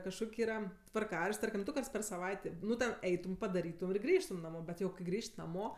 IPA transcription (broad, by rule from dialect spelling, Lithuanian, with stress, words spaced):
kɐʃˈkoːkʲ ˈiːrɐ tʋɐrˈkɑːrɐʃʲtʲ ˈtɐrʲkʲɪm ˈdʊ ˈkɐrts pʲɛr sɐˈʋɐɪtʲeː ˈnʊ tʲɛn ˈɛɪtʊm pɐdɐˈrʲiːtʊm ɪr ˈɡrʲiːʃtʊm nɐˈmoː ˈbʲɛt jɛʊ kɐɪ ˈɡrʲiːʃʲtʲ nɐˈmoː